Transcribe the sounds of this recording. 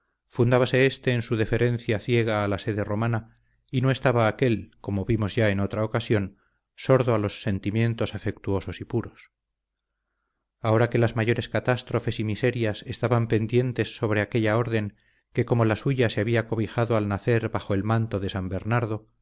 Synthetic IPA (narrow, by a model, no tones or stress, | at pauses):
fund̪aβase̞est̪e̞ːnsuðe̞fe̞ɾe̞nθjaθje̞ɣ̞aːlase̞ðe̞ro̞mana | ino̞e̞st̪aβaːke̞lko̞mo̞βimo̞zʝae̞no̞t̪ɾao̞kasjo̞n | so̞ɾðoalo̞sːe̞nt̪imjẽ̞nt̪o̞safe̞k̚t̪uo̞so̞sipuɾo̞s | ao̞ɾake̞lazmaʝo̞ɾe̞skat̪ast̪ɾo̞fe̞simise̞ɾjase̞st̪aβampe̞nd̪je̞nt̪e̞sːo̞β̞ɾe̞ake̞ʎao̞ɾðe̞ŋ | ke̞ko̞molasuʝaseaβiako̞βixaðo̞alnaθe̞ɾβaxo̞e̞lmãnt̪o̞ðe̞sambe̞ɾnaɾðo̞